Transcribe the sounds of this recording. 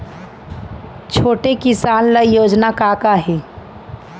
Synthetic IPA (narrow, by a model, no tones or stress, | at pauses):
t͡ʃʰoːʈekɪsaːnləjoːd͡ʒnakaːkaɦɛː